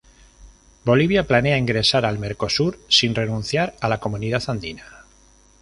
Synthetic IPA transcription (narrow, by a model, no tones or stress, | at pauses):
bo̞liβ̞japlane̞aiŋɡɾe̞saɾalme̞ɾko̞suɾsinre̞nũn̟θjaɾalako̞mũniðaθand̪ina